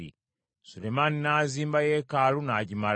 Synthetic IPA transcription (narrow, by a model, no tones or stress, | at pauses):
ḭ | sulemaninaːziːmbajeːkaːlunaɟimal